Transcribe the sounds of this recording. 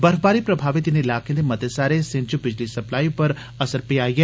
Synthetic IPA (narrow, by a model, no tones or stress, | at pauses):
bəɾfbaːɾipɾəbʱaːʋɪt̪ɪneɪlaːkeãd̪emɐt̪esaːɾesɪ̃nt͡ʃubɪd͡ʒlisɐplaːipəɾ | ɐsəɾpiaːiɦɛː